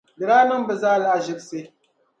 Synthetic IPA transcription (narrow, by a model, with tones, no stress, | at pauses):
bɛ˨ɾaː˦nɨ˦m˦bɛ˨zaː˦la˦ʔa˨ʒɪ˦bse˦